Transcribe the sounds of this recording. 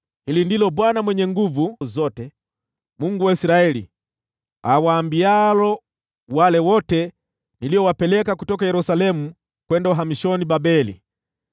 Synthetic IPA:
hilindilɔbwanamwɛɲɛŋɡuvuzɔtɛ | muŋɡuwaisɾaɛlḭ | awaːmbialɔ | walɛwɔtɛ | nilijɔwapɛlɛkakutɔkajɛɾusalɛmu | kwɛndauɦamiʃɔnibabɛlḭ

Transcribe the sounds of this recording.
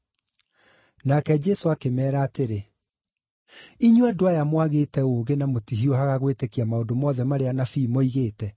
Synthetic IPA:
nakɛd͡ʒɛsoakemɛːɾaːteɾe | iɲwadoajamwaɣeːtɛoːɣenamotiɦiɔhaɣaɣwetekiamaondomɔːðɛmaɾeanafiːmoiɣeːtɛ

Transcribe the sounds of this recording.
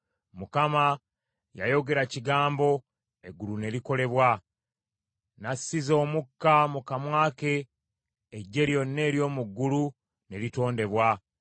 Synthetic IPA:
mukama | ja̰jo̞ɡe̞ɾaciɡaːmbo̞ | e̞ɡulune̞liko̞le̞βwa | nasːizo̞ːmukːamukamwaːke̞ː | ɟːe̞ɾjo̞nːe̞ːɾjo̞ːmuɡːulu | ne̞lito̞ːnde̞βwa

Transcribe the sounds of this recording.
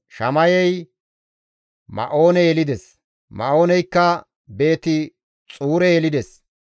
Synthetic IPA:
ʃɐmɐjɛj | mɐ̰ʔo̞ːnɛjɛlɪd̪ɛs | mɐ̰ʔo̞ːnɛjkːɐ | be̞ːt̪ɪ | t͡sʼuːɾɛelɪd̪ɛs

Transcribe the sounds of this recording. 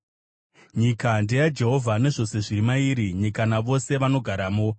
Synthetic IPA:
ɲikandejad͡ʒe̞ɦo̞vʱane̞ʐo̞se̞ʐiɾimaiɾiɲikanaʋo̞se̞ʋano̞ɡʱaɾaːmo

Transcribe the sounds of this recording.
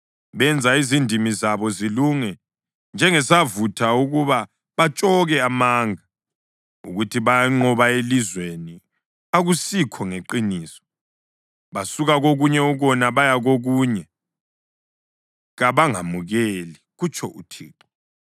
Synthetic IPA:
βɛnd͡zʱaizindʱimizaβɔziluŋɛ | nd͡ʒʱɛŋɛsavutʰauɣuβa | βat͡ʃʼɔɣɛamaːŋa | uɣutʰiβajaŋ͡ǁɔβaelizweni | aɣusikʰɔŋeǃiniːsɔ̥ | βasuɣaɣoɣuɲɛuɣɔnaβajaɣoɣuːɲɛ | ɣaβaŋa̰muɣɛliɣut͡ʃʼʰɔ̰ʔṵtʰḭːǃɔ̥

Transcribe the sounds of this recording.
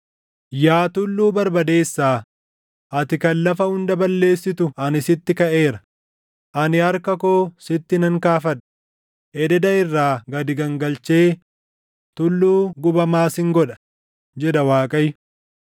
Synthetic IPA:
jaːt̪ʊlːuːbɐɾbɐd̪e̞ːsːaː | ʔɐt̪ɪkɐlːɐfɐhʊnd̪ɐbɐlːe̞ːsːɪt̪ʊɐnɪsɪt̪ːɪkɐʔe̞ːɾɐ | ʔɐnɪɐɾkɐkoːsɪt̪ːɪnɐŋkaːfɐᶑɐ̥ | ʔɛd̪ɛd̪ɐɪrːaːɡɐd̪ɪɡɐŋɡɐlt͡ʃe̞ː | t̪ʊlːuːɡʊbɐmaːsɪŋɡɔᶑɐ̥ | d͡ʒɛᶑɐwaːkʼɐj

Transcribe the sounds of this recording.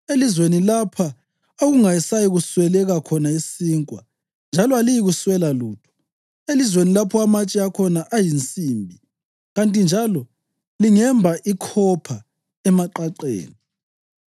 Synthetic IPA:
elizwenilapʰa | oɣuŋajisajiɣuswɛlɛɣakʰɔnaisiːŋkʼwa̰ | nd͡ʒʱalɔalijiɣuswɛlaluːtʰɔ̥ | elizwenilapʰɔamat͡ʃʼiakʰɔnaʔajint͡sʼiːmbʱi | ɣantʼind͡ʒʱalɔ | liŋɛmbʱaʔikʰɔpʰa | ɛmaǃaǃḛːni

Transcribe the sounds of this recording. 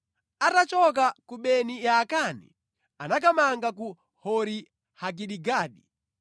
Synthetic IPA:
atat͡ʃɔk̬akuɓɛnijakanḭ | anak̬amaŋɡaku | hɔɾi | hak̬iɗiɡaːɗi

